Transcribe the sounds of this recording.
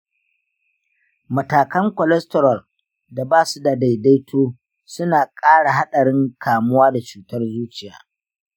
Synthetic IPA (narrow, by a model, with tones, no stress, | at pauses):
mɐ˨taː˨kɐ˦ŋkʷɔ˨lɛ˦stɔ˨ɾɐ˨l | da˨baː˦su˦da˨da˨jda˦jtʰoː˦ | sʊ˦naː˨kʼaː˦ɽa˨ɦa˦ɗɐ˨ɽɪ˦ŋkʰaː˨mʊ˦waː˦da˨t͡ʃuː˨tɐ˦rzuː˦t͡ʃɪ˨ja̰ː˦